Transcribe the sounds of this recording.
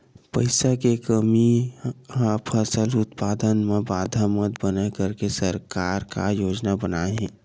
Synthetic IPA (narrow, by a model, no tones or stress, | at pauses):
pəɪsakekəmi | apʰəsəlʊt̪paːd̪ənmẽbaːd̪ʱamət̪bənəkəɾkesəɾkaːɾka̰joːd͡ʒnabənaːeɦɛ̃ː